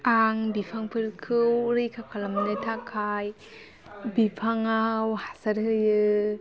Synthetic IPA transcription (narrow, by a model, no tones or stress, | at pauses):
aŋbipʰaŋpʰɯɾkʰɯwɾɯjkʰakʰalamnɯjtʰakʰaj | bipʰaŋawhasaɾhɯjɯ